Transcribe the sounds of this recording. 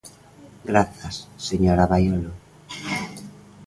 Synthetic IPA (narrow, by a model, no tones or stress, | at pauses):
ɡɾaθasːeɲoɾaβajolo